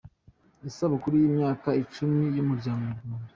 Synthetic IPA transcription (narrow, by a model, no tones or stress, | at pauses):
isaβukuɾujiːmɲaːkait͡ʃumijumuɾɟaːŋɡouɡuːnde